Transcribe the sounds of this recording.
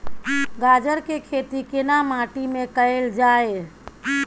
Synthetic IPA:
ɡad͡ʒəɾkekʰet̪ikenamãʈimẽkəeld͡ʒae

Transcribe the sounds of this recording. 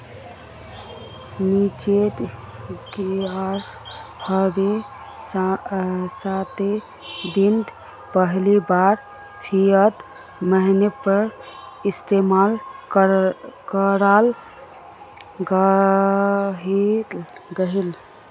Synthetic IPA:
mit͡ʃet̪ | keaɾ | hʰəbe | sat̪e | bind̪ʱ | pəɦlibaɾ | pʰiət̪ | məɦinepəɾ | ist̪emal | kəɾal | ɡ | ɦi | ɡəɦil

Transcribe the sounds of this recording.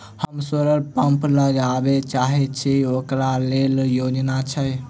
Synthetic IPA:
həmsəɾəɾpəmpləd͡ʒabet͡ʃaɦɛt͡ʃʰiokɾaleljod͡ʒnat͡ʃʰə

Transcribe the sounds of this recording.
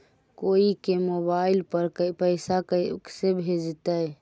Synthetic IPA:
koikemobaɪlpəɾkpəɪsakksebʱed͡ʒt̪ə

